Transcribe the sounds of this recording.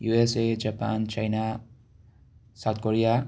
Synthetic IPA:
juesed͡ʒapa̰nt͡ʃajna | sat̪ʰkoɾija

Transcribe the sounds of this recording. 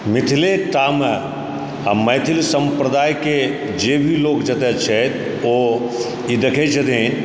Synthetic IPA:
mɪt̪ʰileʈaːmə | mɐjt̪ʰɪlsɐ̃mpɾəd̪aːjke | d͡ʒeːbʱiloːkd͡ʒɐt̪et͡ʃʰɛt̪ | o | id̪ɐkʰed͡ʒɐt̪e

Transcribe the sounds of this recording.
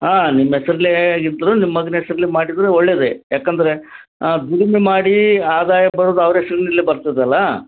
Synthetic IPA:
aːnimːɐɛsɐɾɐliɡint̪ɐɾunimɐɐɡ̪ɐnɛsɐɾɐlimaːɽid̪ɐɾeoɭːeːd̪ejaːkɐnd̪ɐɾe̞ | d̪uɽimemaːɽiaːd̪aːjɐbɐɽoːd̪uɐʋɐɾɛsɐɾɐnilːebɐɾt̪id̪ɐlːɐ

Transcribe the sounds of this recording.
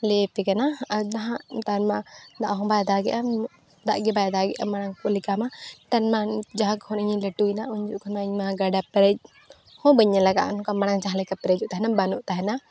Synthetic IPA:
lɛpɛkananaɦãʔt̪anmad̪aʔɦɔ̃bajad̪aɡɛ̰ʔa | d̪a̰ʔɡɛbajad̪aɡɛʔamaɽaŋkɔlikamaʈanmad͡ʒaɦãkhʰɔniɲilɛʈujnaʔuɲd͡ʒuʔkʰɔnaiɲmaɡaɖapɛɾɛd͡ʒ̚ | hɔ̃bəɲːɛlaɡa̰ʔɔnkamaɽ̃aŋd͡ʒaɦalɛkapɛɾɛd͡ʒuʔt̪aɦɛnabanuʔt̪aɦɛna

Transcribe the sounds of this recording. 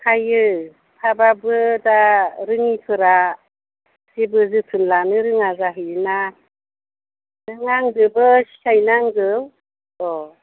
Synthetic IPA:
kʰajɯ | tʰababɯdaɾɯŋipʰɯɾa | sibɯzɯtʰɯnlanɯɾɯŋazaɦɯna | ɾɯŋaŋdɯbɯsajnaŋdɯw | ɔ

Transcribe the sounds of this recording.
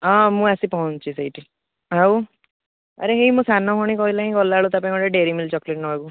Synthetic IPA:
ɔ̃mũasipɔɦɔ̃nt͡ʃʰisejʈi | ɦaw | aɾeɦemũsanɔpʰɔɽ̃ĩkɔɦilaɦĩkɔlaɭut̪apãj̃ŋkɔʈeɖeɾimilt͡ʃɔkleʈ̚nɔɦɔku

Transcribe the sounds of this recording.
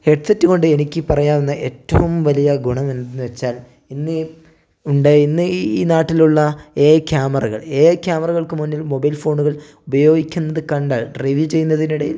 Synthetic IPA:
he̞ɖsetːɨɣo̞ɳɖɨe̞nikʲːɨpɐrɐjaːʋenːɐʔetːɐʋumʋɐlijɐɡuɳɐmend̪enːɨʋet͡ɕːaːl | inːɨ | uɳɖeinːɨiːnaːʈːiluɭːɐe̞ːkʲjaːmɐrɐɣɐ̰ɭe̞ːkʲjaːmɐrɐɣɐɭkɨmunːilmo̞bɐjlfo̞ːɳuɣɐɭ | ubɐjo̞ːɡikʲːunːɐðɨkɐɳɖaːɭreʋjit͡ɕe̞jːunːɐðiniɽɐjil

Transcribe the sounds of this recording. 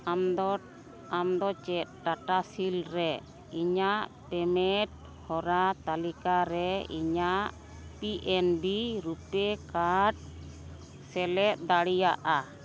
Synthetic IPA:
amd̪ɔ | amd̪ɔt͡ʃɛt̪̚ʈaʈasilɾɛ | iɲaʔ | pɛmɛʈ̚ | hɔɾat̪alikaɾɛḭɲaʔ | piʔɛnbiɾupɛkaʈ̚ | sɛlɛt̪̚d̪aɽijaʔa

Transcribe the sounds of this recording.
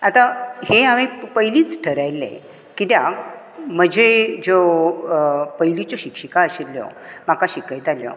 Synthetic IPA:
at̪aheaʋipəjliːt͡sʈʰəɾajlḛ̃ | kit̪ja | m̤əd͡ʑʱed͡zo | pəjlit͡ɕoɕikɕəkaəɕilːjo̰makaɕikajt̪aljo̰

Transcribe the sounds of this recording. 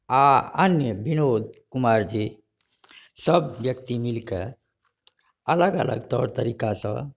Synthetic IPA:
aə̰njəbʱinod̪kumaɾd͡ʒi | səbːjək̚t̪imilkḛ | ələɡə̰lə̰ɡt̪ɔ̰ɾt̪əɾikasə̰̃

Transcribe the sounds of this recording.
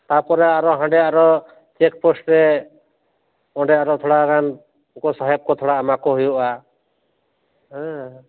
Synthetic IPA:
t̪apɔɾɛaɾɔɦãɳɖɛaɾɔ | t͡ʃɛkpɔsʈɾɛ | ɔɖɛaɾɔt̪ʰɔɽaɡan | kɔsɔɦɛb̚kɔt̪ʰɔɽaːmakɔɦujɔʔa | ɦɛ̃

